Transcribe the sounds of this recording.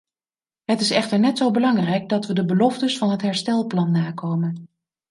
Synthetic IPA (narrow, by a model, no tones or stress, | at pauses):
ɦətɪsɛχtəɹnɛtsowbəlɑŋrɛjɡ̚dɑtʋədəbəlɔftəsfɑnɦətɦɛɹstɛlˠplɑnːaːkowmən